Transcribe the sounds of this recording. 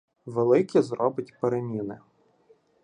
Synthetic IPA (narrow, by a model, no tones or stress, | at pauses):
ʋelˠɪkʲizɾɔbɪtʲpeɾemʲinɪ̰